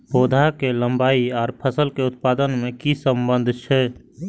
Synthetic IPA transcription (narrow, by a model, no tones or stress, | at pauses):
poːd̪ʱakelə̃mbaːiɔːɾpʰəsəlkeʊt̪̚paːd̪ənmẽkisə̃mbənd̪ʱt͡ʃʰɛ